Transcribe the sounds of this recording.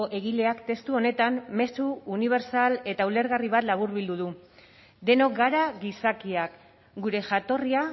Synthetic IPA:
oʔe̞ɣile̞akt̪e̞st̪uo̞ne̞t̪amːe̞suːniβ̞e̞ɾsale̞t̪aule̞ɾɣariβ̞at̪laβ̞uɾβild̪uðu | d̪e̞no̞kɡaɾaɣisakiak | ɡuɾe̞ʝat̪o̞ria

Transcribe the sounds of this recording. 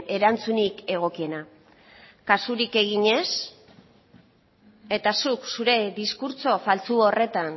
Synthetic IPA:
e̞ɾant͡sunike̞ɣ̞o̞kiena | kasuɾike̞ɣ̞iɲe̞s | e̞t̪asuksuɾe̞ðiskuɾt͡so̞falt͡suorʔe̞t̪an

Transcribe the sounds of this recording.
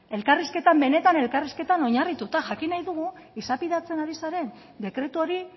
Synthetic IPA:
e̞lkariske̞t̪ambe̞ne̞t̪ane̞lkariske̞t̪ano̞ɲarit̪ut̪aʝakinajðuɣu | isapiðat͡se̞naɾisaɾe̞n | d̪e̞kɾe̞t̪uo̞ɾi

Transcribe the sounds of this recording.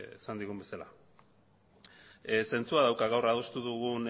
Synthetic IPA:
esand̪iɣumbe̞sala̰ | se̞nt͡suaðawkaɣawraðust̪uðuɣun

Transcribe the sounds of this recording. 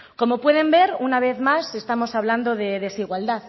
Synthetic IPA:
ko̞mo̞pwe̞ðe̞mbe̞ɾunaβ̞e̞θmase̞st̪amo̞saβland̪o̞ðe̞ðe̞siɣwald̪að

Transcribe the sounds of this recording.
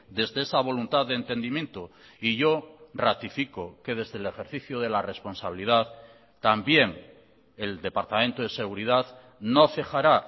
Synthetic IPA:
d̪e̞zðe̞esaβ̞o̞lunt̪aððeːnt̪e̞nd̪imjẽ̞nt̪o | iʝo̞rat̪ifikoke̞ð̞e̞zðele̞xe̞ɾθiθjoð̞e̞lare̞spo̞nsaβilið̞að | t̪ambje̞ŋ | e̞ld̪e̞paɾt̪amẽnt̪oð̞e̞se̞ɣ̞uɾiðað | no̞fexaɾa

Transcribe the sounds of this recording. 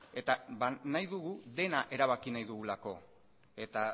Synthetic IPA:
e̞t̪aβanajðuɣuðe̞naʔe̞ɾaβakinajðuɣulako̞ | e̞t̪a

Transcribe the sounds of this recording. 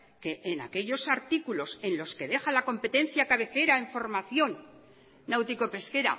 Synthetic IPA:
ke̞ʔːna̰ke̞ʎo̞saɾt̪ikulo̞se̞nlo̞ske̞ðe̞xalako̞mpe̞t̪e̞n̟θjakaβe̞θe̞ɾae̞ɱfo̞ɾmaθjo̞nː | awt̪iko̞pe̞ske̞ɾa̰

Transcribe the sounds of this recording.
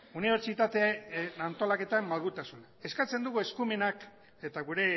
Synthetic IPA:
uniβ̞e̞ɾt͡ʃit̪at̪eant̪o̞lake̞t̪ammalɣut̪asunae̞skat͡se̞nd̪uɣue̞skume̞nak | e̞t̪aɣuɾe̞

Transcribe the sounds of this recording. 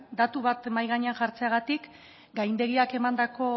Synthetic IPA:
d̪at̪uβat̪majɣaɲeanʝaɾt͡se̞aɣ̞at̪ik | ɡajnd̪e̞ɣiake̞mand̪ako̞

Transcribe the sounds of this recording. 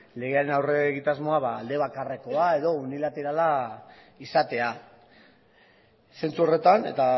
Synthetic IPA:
le̞ɣ̞e̞aɾe̞nawre̞ɣit̪azmo̞aβaːld̪e̞β̞akareko̞ae̞ðo̞unilat̪e̞ɾala | isat̪e̞a | se̞nt͡suo̞re̞t̪ane̞̰t̪a

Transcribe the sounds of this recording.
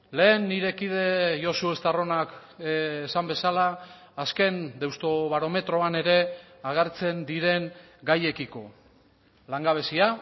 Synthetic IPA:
le̞ːnːiɾe̞kiðe̞jo̞suest̪aro̞nakː | sambe̞salaː | ske̞nd̪ewst̪o̞βaɾo̞me̞t̪ɾo̞ane̞ɾe̞ | aɣ̞eɾt͡se̞nd̪iɾe̞ŋ | ɡaje̞kiko̞̰ | laŋɡaβ̞e̞sia

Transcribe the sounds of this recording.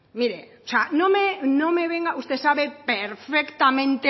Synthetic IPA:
miɾeoseanõmenõmeβeŋɡaust̪esaβepeɾfekt̪amẽnt̪e

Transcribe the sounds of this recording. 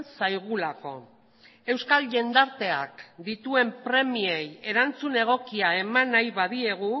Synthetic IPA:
sajɣ̞ulako̞ | e̞wskalʝe̞nd̪aɾt̪e̞a̰kd̪it̪ue̞mpɾe̞mie̞je̞ɾant͡sune̞ɣ̞o̞kiae̞manajβaðie̞ɣ̞u

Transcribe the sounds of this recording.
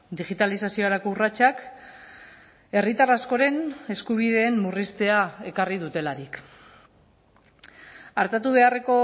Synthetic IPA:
d̪iɣit̪alisasio̞aɾako̞urat͡ʃak | e̞rit̪arasko̞ɾe̞ne̞skuβ̞iðe̞ːmmurist̪e̞ae̞karið̞ut̪e̞laɾik | aɾt̪at̪uβ̞e̞are̞ko̞

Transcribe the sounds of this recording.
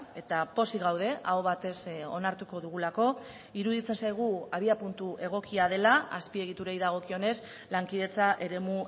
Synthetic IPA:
e̞t̪apo̞siɣawð̞e̞ʔaoβat̪e̞so̞naɾt̪uko̞ðuɣ̞ulako̞ | iɾuðit͡se̞nsajɣ̞uaβiapunt̪uʔe̞ɣ̞o̞kiað̞e̞laaspie̞ɣ̞it̪uɾe̞jðaɣ̞o̞kio̞ne̞s | laŋkiðe̞t͡saʔe̞ɾe̞mu

